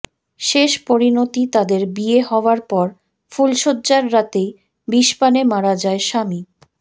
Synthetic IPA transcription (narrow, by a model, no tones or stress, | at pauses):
ʃeʃpoɾinot̪it̪ad̪eɾbieɦɔoaɾpɔɾ | fulʃodːd͡ʑaɾːat̪ej | biʃpanemaɾad͡ʑaeʃami